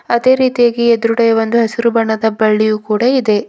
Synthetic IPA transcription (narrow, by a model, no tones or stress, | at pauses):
ɐd̪e̞ːɾiːt̪ijaːɡied̪ɾuɽɐjɐʋond̪uɦɐsiɾubɐɳːɐd̪ɐbɐɭːijukuːɽɐid̪e̞